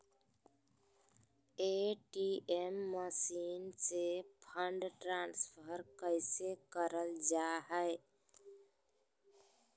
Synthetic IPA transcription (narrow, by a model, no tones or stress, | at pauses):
eʈiemːəsinsepʰəɳɖʈɾanspʰəɾkəɪsekəɾəld͡ʒaɦəɪ